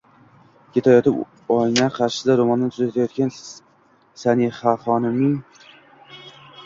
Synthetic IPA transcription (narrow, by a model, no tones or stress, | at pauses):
kʲʰe̞t̪ʰajɒt̪ɪp | ɒjnaqʰɑɾʃɪ̥d̪aɾomɒnd̪ant̪ʰʊzat̪ʰajɒt̪kʲan | sanihafɒnɪmɪŋ